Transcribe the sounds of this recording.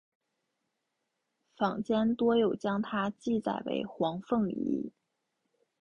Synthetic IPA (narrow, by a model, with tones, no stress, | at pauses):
fɑ˨˩ŋt͡ɕjɛ˥nt̪wɔ˥jo˨˩ʊt͡ɕjɑ˥ŋt̪ʰa˥t͡ɕi˥˧t͡sa˨˩ɪwḛ˧˥ɪxwɑ˧˥ŋfɤ˥˩ŋḭ˧˥